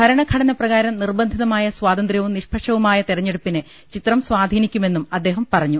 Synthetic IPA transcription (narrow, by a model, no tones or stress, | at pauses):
ɐɾɐɳɐkʰɐɽɐnɐprɐɣaːɾɐmnirbɐnd̪ʱiðɐmaːjɐswaːd̪ɐnd̪rjɐʋumniʂpʰɐʂɐʋumaːjɐt̪iɾɐɲːe̞ɽupːine | t͡ɕit̪rɐmsʋaːd̪ʱiːnikʲːume̞nːumɐd̪ːeːɦɐmpɐrɐɲːu